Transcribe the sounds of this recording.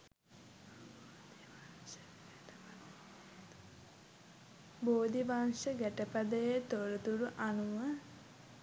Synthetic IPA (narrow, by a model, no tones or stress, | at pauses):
boːd̪ibaŋʃəɡæʈəpad̪əjət̪oɾət̪uɾuʔanuʋə